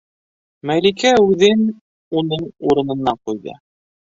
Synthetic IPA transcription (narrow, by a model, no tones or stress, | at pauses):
mælikæʉðɘn | unɤɴuɾɤ̆nɤ̆nːɑɴqujðɤ̰